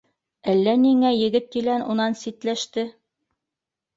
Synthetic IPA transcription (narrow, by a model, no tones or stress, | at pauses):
ælːæniŋæjɘ̆ɡɘt̪̚kilænunɑnsit̪læʃt̪ɘ